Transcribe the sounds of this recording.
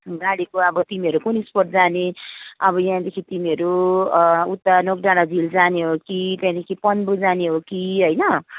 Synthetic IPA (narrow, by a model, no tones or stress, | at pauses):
ɡaɽikoʌbʌt̪imiɦʌɾukunisporʈ̚d͡zaneʌbʌjãd̪ekʰit̪imiɦʌɾu | ut̪ːʌnokɖaɽad͡zild͡zaneɦokit̪ãd̪ekʰipʌnbud͡zaneɦokiɦojnʌ